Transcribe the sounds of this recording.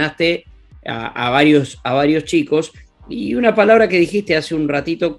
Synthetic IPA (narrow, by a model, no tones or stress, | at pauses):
ast̪e | a̰a̰βaɾjo̞saβaɾjo̞st͡ʃiko̞s | iunapalaβɾake̞ðixist̪easeunrat̪it̪o̞